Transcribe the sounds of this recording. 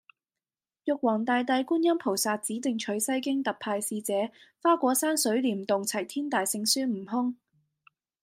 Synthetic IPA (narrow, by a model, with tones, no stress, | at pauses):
jʊ˨k̚wɔː˨˩ŋt̪aː˨˧jt̪̬ɐ˧jkuː˥njɐ˥mpʰo˨˩wsaː˨˧t̚t͡siː˨˥t̪ɪ˨ŋt͡ʃʰɵ˨˥ɥsɐ˥jkɪ˥ŋt̪ɐ˨k̚pʰaː˧jsiː˧t͡sɛː˨˥faː˥kʷɔː˨˥saː˥nsɵ˨˥ɥliː˨˩mt̪ʊ˨ŋt͡sʰɐ˨˩jt̪ʰiː˥nt̪aː˨jsɪ˧ŋsyː˥m̩˨˩ɦʊ˥ŋ